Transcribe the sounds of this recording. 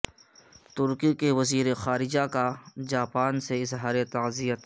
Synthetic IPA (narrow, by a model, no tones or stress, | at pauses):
t̪ʊɾkikeʋɐziːɾexaːɾɪd͡ʒakad͡ʒaːpaːnseɪzɦaːɾet̪ɐzijət̪